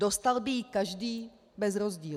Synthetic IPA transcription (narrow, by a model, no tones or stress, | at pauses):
dost̪albɪjikaʒdiː | bɛzɾozɟiː